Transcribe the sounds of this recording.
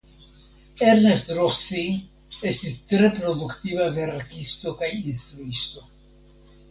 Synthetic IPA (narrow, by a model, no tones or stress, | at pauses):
eɾnestɾosi | e̞stistɾe̞pɾo̞d̪ukt̪ivave̞ɾkist̪o̞kajinst̪ɾuisto̞